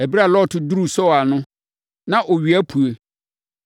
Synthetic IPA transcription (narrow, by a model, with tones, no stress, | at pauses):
æ˨bi˦ɾa˦˨lɔ˦˨tʰʊ˨du˦ɾu˨sɔ˦a˨nʊ̃˦ | nã˦ʔɔ˨ɥi˨æ˦pʰu˨e˨